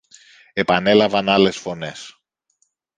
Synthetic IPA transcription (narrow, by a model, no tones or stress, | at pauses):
e̞pɐne̞lɐvɐnɐle̞sfo̞ne̞s